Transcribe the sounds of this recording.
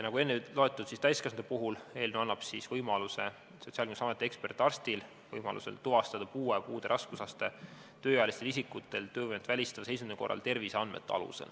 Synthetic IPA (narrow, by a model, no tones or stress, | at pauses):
jɑnɑɡue̞nːelo̞e̞t̪ːˑud̪̥sist̪æjskeɑsnd̪epuɦule̞ːlnuɑnːɑb̥sisvɤjmɑluse̞̰ | so̞t̪siɑlkinusɑmet̪ːˑeekspe̞rt̪ːˑɑrst̪il | vɤjmɑ̰lṵse̞̰lt̪uvɑst̪ɑd̪̥ɑpuːepuːd̪̥e̞ɾʔɑskusɑst̪e̞ | t̪øːjɑjɑlist̪elisikːut̪ːˑe̞lt̪ø̞ːɤjmet̪vælʲist̪ɑd̥̪ɑse̞js̬mineko̞rːʔɑ̰lt̪e̞rviseɑnmḛt̪ːˑeɑ̰lṵsḛl